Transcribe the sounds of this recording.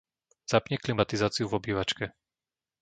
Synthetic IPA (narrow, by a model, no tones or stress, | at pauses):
z̥apɲɛklimat̪izaːt͡siuvɔbiːʋat͡ʃkɛ